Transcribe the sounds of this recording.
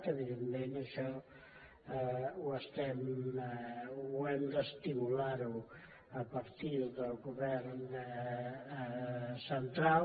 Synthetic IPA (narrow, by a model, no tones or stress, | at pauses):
t̪əβiðəmmenəʃɔ | wəst̪ɛm | wɛmd̪əst̪imulaɾu | əpəɾt̪iðəlˠɣuβɛɾn | sənt̪ɾal